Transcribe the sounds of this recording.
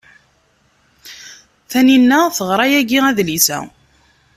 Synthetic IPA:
θæninːæθəʁɾˤɑjæɡiæðlisæ̰

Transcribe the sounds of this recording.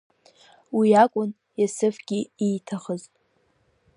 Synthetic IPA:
wiakʷʼʊn | jasɨfɡ̥ʲɪiːtʰaχəzʼ

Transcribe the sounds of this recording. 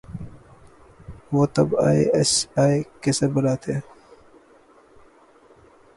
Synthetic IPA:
woːt̪ɐbaːesaːekesɐɾbɐlaːt̪ʰeː

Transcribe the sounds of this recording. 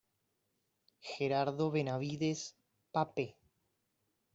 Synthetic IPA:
xeɾaɾðoβenaβiðes | pape

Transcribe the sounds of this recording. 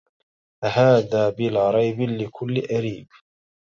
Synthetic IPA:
ʔahaːðaːbɪlaːɾˤɑjbɪlɪkʰʊlːɪʔaɾiːb

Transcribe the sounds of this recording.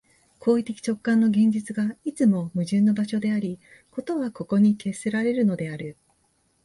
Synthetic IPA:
kʰo̞ːit̪e̞kʲi̥t͡ɕo̞kːãnːo̞ɡẽ̞ɲ̟d͡ʑit͡sɨɡait͡sɨmo̞mɯ̟ʑɨ̃nːo̞baɕo̞d̪e̞aɾʲi | ko̞t̪o̞βako̞ko̞ɲ̟ike̞seɾaɾe̞ɾɯ̟no̞d̪e̞aɾɯ̟

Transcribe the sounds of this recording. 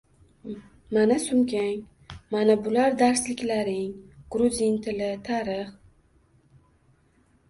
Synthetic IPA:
manasʊmkʲaŋ | manabʊlaɾd̪aɾslɪkʲlaɾɪŋɡ̥ɾʊzʲint̪ʰɪlɪt̪ʰaɾɪχ

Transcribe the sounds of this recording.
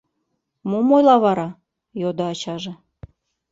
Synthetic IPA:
mumojlɑβɑɾɑ | jod̪oɑt͡ɕɑʒĕ

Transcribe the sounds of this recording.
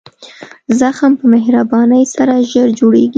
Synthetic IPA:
zaxampəmehɾabɑnəjsaɾaʒəɾd͡ʒoɽeɡi

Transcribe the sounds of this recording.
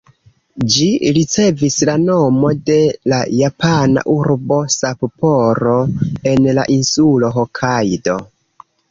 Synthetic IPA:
d͡ʒiɾit͡se̞vislano̞mo̞de̞lajapʰana̰ʔuɾbo̞sappoɾo̞e̞nla̰ʔinsulo̞ɦokʰajdo̞

